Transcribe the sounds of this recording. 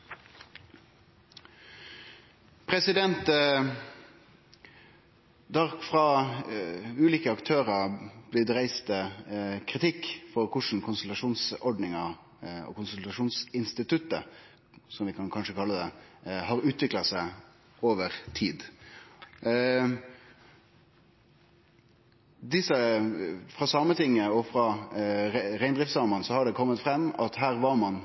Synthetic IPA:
pʰʁɛsɪd̪ɛnt̪ | d̪ɑʁkfʁɑː | ʉːliːkəɑkt̪ʰøːʁɑb̥lɪd̪ɛʁæɪst̪əkʰʁɪt̪ɪkːfɔʁkʰʊʂɳ̩kʰʊnsʉlt̪ɑʂuːnsɔɖnɪŋɑ | ɔ̰ːkʊnsʉlt̪ɑʂuːnsɪnst̪ɪt̪ʉt̪ə | sɔmʋɪkʰɑnkʰɑnʂəkʰɑlːəd̪ɛhɑɾʉːt̪ʰʋɪklɑsæɪ | oːʋəɾt̪ʰiːd̪ | d̪ɪsːə | fʁɑsɑːmət̪ʰɪŋːəɔfɾɑ | ɾæɪnd̪ʁɪft̪sɑːmənsɔhɑɖɛkʰɔmːət̪fɾɛmːɑt̪hæːɾʋɑɾmɑn

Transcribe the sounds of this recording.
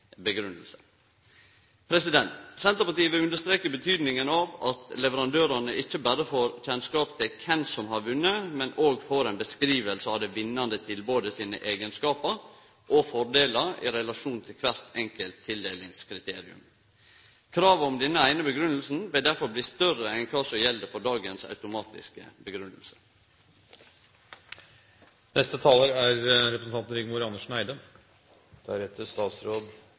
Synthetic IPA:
bəɡɾʉnːəlsə̥ | pʰɾɛsɪd̪ɛnt̪sɛnt̪əɾpɑɾt̪iːəʋɪʉnd̪əʂt̪ɾeːkəbət̪ʰyːd̪nɪŋənɑʋɑt̪lɛʋəɾɑnd̪øːɾɑnəʔɪçːəbæːɾəfoːɾçɛnskɑːp̚t̪ʰɪlkʰɛnsɔmhɑɾʋʉnːəmɛnoːɡfɔɾɛnbəskɾiːʋəlsəɑʋd̪ɛʋɪnːɑnd̪ət̪ʰɪlboːd̪əsiːnə̰ʔeːɡənskɑːpəɾ | ʔɔfɔɾd̪eːləɾɪ̰ɾɛlɑʂuːnt̪ʰɪlkʰʋæɾt̪ɛŋkəlt̪ʰːɪld̪eːlɪŋskʰɾɪt̪ʰeːɾɪʉ̰m | kʰɾɑːʋəɔmd̪ɛnːəæɪnəbəɡɾʉnəl̩sn̩ʋɪld̪æɾfɔɾbliːst̪œrəɛnkʰɑːsɔjɛld̪əfɔɖɑːɡənsɑ̰ʉt̪ʊmɑːt̪ɪ̰skə̰bəɡɾʉnːəlsə̥ | nɛst̪ət̪ʰɑːləɾæɾɾɛpɾəsn̩ʰɑnt̪nɾɪɡmuːɾɑnːəʂɳæɪd̪ə | d̪̥æɾheːt̪əst̪ɑːt̪sɾoːd̪

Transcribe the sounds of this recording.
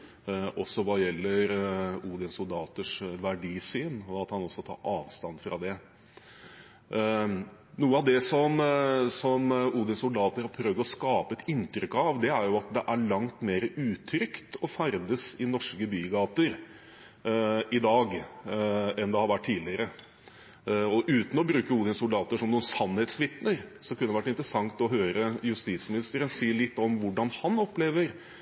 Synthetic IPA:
ʔɔsːɔʋɑjɛlːəɾuːd̪ɪənsʊld̪ɑːt̪əʂʋæɖiːsyːnɔɑt̪hɑnɔsːɔt̪ʰɑ̰ːʔɑːʋst̪ɑnfɾɑ̰d̪ɛ | nuːəɑʋd̪ɛsɔmsɔmuːd̪ənsʊld̪ɑːt̪əɾhɑɾpʰɾøːʋd̪ɔskɑːpəɛt̪ɪnt̪ɾʏkːɑʋd̪ɛæɾjʊɑt̪d̪ɛʔæɾɭɑŋt̪meːɾəʔʉːt̪ʰɾʏkt̪ɔfæɾd̪əsɪnɔʂkəbyːɡɑːt̪əɾ | ɪd̪ɑːɡ | ɛnd̪ɛhɑɾʋæʈʰːiːlɪəɾə | ɔʔʉːt̪n̩ɔbɾʉːkəuːd̪ɪnsʊld̪ɑːt̪əʂɔmnuːənsɑnhɛt̪sʋɪt̪nəɾsɔkʰʉnəd̪ɛʋæʈːɪnt̪ɾəsɑŋt̪ɔɦøːɾəjʉst̪iːt̪smɪnɪst̪əɾənsiːɭɪt̪ːɔmʋʊɖɑnhɑnɔpleːʋəɾ

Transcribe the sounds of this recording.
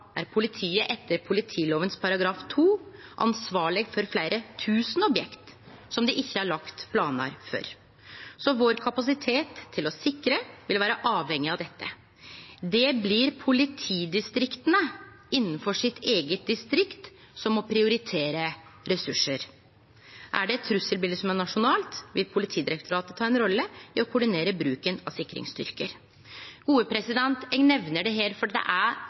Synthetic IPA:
ʔæ̰ɾpʰʊlɪt̪ʰiːəʔɛt̪ːəɾpʰʊlɪt̪ʰiːloːʋənspʰɑɾɑɡɾɑːft̪ʰuːʔɑ̰nsʋɑːɭɪɡfɔɾflæɪɾət̪ʰʉːsən̩ɔbjɛkt̪ | sɔmd̪ɪʔɪçːəɑɭɑkt̪pʰlɑːnə̰ɾfø̰ːɾ | sɔʋoːɾkʰɑpɑs̬ɪt̪ʰeːt̪ʰːɪlɔsɪkɾəʋɪlʋæːɾəʔɑːʋhɛŋːɪɑʋd̪ɛt̪ʰːə | d̪ɛblɪɾpʰʊlɪt̪ʰiːd̪ɪst̪ɾɪkt̪ənə | ɪnːən̩fɔʂɪt̪ʰeːɡət̪̚d̪ɪst̪ɾɪkt̪ | sɔmɔpʰɾɪʊɾɪt̪ʰeːɾəɾɛsʉʂːəɾ | ʔæ̰ɖɛɛt̪ʰːɾʉsəlbɪld̪əsɔmæɳɑʂʊnɑːlt̪ʋɪlpʰʊlɪt̪ʰiːd̪ɪɾɛkt̪ʊɾɑːt̪ət̪ʰɑːɛnɾɔlːəɪɔkʰʊɖɪneːɾəbɾʉːkənɑsɪkːɾɪ̰ŋst̪ʏ̰ɾkəɾ | ɡ̥uːəpʰɾɛsɪd̪ɛnt̪ɛnɛʋnəɖɛɦeːɾfɔɖd̪ɛ̰ʔæɾ

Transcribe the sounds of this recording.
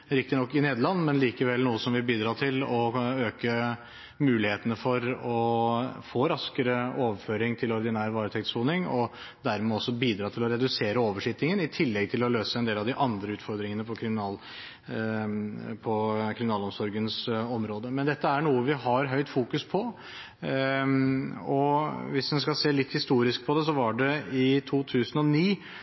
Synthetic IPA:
ɾɪk̚t̪ɪnɔkːɪneːd̪əɾɭɑnːmɛnliːkəʋɛlnuːəsɔmʋɪbiːd̪ɾɑːt̪ʰɪlɔøːkə | mʉːlɪheːt̪ənəfɔɾɔfoːɾɑskəɾəoːʋəɾføːɾɪŋt̪ʰɪlɔɾd̪ɪnæːɾʋɑːɾət̪ʰɛk̚t̪suːnɪŋɔ | d̪æɾmɛɔsːɔbiːd̪ɾɑːt̪ʰɪlɔɾɛd̪ʉseːɾəoːʋəʂɪt̪ɪŋənɪt̪ʰɪlːɛɡ̚t̪ʰɪlɔløːsəɛnd̪eːlɑʋd̪ɪʔɑnd̪ɾəʉːt̪fɔɾd̪ɾɪŋənəpʰɔkʰɾɪmɪnɑːl | pʰɔkʰɾɪmɪnɑːlɔmsɔɾɡənsɔmɾoːd̪əmɛnd̪ɛt̪ːəæɳuːəʋɪɦɑɾɦœʏt̪fuːkʉspʰɔ | ɔʋɪsd̪ɛnskɑseːlɪt̪ːhɪst̪uːɾɪsk̚pʰɔd̪ɛs̬ɔʋɑɖɛɪt̪ʰuːt̪ʰʉːsənɔniː

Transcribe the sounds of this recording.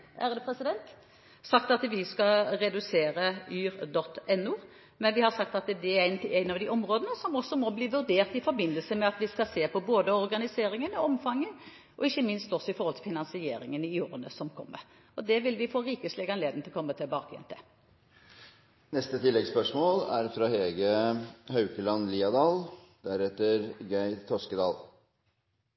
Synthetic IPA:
æ̰ʁəd̪ʉːpɾʁɛsɪd̪ɛnt̪ | sɑkt̪ɑt̪ʋɪskɑʁɛd̪ʉseːɾəyːɾd̪ɔt̪ːɛnːʊː | mɛnʋɪhɑɾsɑkt̪ɑt̪d̪ɛæɾæɪnt̪æɪnɑʋd̪ɪʔɔmɾoːd̪ənəsɔmɔsːɔmɔbliːʋʉɾd̪eːʁt̪ɪfɔɾbɪnːəlsəmɛɑt̪ʋɪskɑseːpʰɔboːd̪əɔɾɡɑnɪseːɾɪŋənɔɔmfɑŋːə | ʔɔɪçːəmɪnst̪ɔsɔɪfɔɾhɔlt̪ʰɪlfɪnɑnsɪeːɾɪŋənɪjoːɾənəsɔmkʰɔ̰mːə̰ɾ | ɔd̪ɛʋɪlʋɪfoːɾiːkəslɪɡɑnleːd̪nt̪ɪlɔkʰɔmːət̪ʰɪlbɑːkɛ̰nʰɛ̰ | nɛst̪ət̪ʰɪlːɛɡspœʂmoːlæɾfɾɑːheːɡəhɑʉkəlɑnliːɑd̪ɑːl | d̪̥æɾɛt̪ːəɾɡæɪt̪ʰɔskəd̪ɑ̰ːl

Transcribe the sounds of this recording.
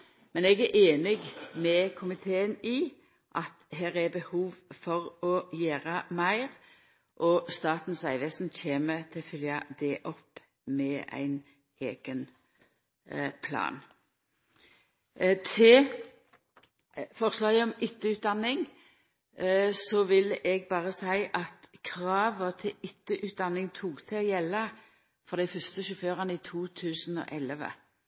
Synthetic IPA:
mɛnɛɡæɾʔeːnɪɡmɛkʰʊmɪt̪ʰeːəni | ʔɑt̪̚ɦæːɾæbəhuːʋfɔʁɔjæːʁəmæɪʁ | ʔɔst̪ɑːt̪n̩sæɪʋɛsn̩çeːmət̪ʰɪlfʏljɑd̪ɛʔɔpː | mɛæ̰ɪn | ḛːɡ̥ən | pʰlɑ̰ːn | t̪ʰɪ | fɔʁslɑːɡəɔmʏt̪ːəʉːt̪̚d̪ɑnːɪŋ | sɔʋɪlʔɛɡ̚bɑːʁəsæɪʔɑt̪kʰʁɑːʋət̪ʰɪʏt̪ːəʔʉːt̪̚d̪ɑnːɪŋt̪ʰuːkt̪ʰɪɔːjɛlːə | fɔʁd̪æɪfœst̪əʃʉføːʁənəiːt̪ʰuːt̪ʰʉːsnɔ̰ʔɛləʋə̰

